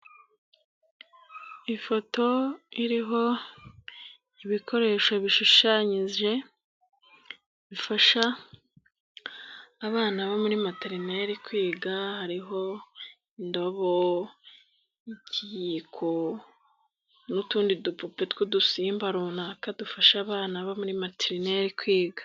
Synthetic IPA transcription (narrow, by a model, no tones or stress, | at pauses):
ifo̞to̞iɾiɦo̞ | iβikʰo̞ɾe̞ːʃoβiʃuʃaːɲize̞ | βifaʃa | βaːnaβomuɾimateɾineɾikwiːɡahaɾiɦo̞ | indo̞βo | icijikʰo | nutuːndidupupetwudusiːmbaɾunakadufaʃaβaːnaβomuɾimatiɾine̞ɾikwiːɡḁ